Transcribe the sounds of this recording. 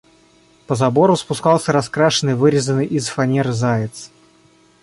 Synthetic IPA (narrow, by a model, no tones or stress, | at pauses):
pəzɐbo̞ɾʊspʊskɑlˠsʲəɾɐskɾaʂɨnɨjvɨɾʲɪzənɨjʔizfɐnʲeɾɨzajɪt̪s